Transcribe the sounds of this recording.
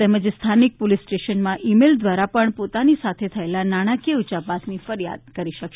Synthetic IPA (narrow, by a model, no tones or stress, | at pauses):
t̪eməd͡ʒst̪ʰanik̚polisʈeʃənmãʔimeld̪ʋaɾapəɳpot̪anisat̪ʰet̪ʰəelanaɽ̃akeut͡ʃapasʰnifəɾija̰d̪kəɾiʃəkʃ